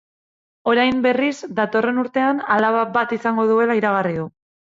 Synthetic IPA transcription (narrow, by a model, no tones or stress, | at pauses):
o̞ɾajmbe̞rizd̪at̪o̞re̞nuɾt̪e̞analaβabat̪isaŋɡo̞ðue̞laiɾaɣ̞arið̞u